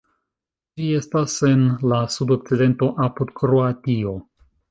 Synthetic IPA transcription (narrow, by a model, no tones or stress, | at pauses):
d͡ʒie̞stase̞nlasudo̞k̚t͡side̞nto̞ʔapud̪kɾo̞atio̞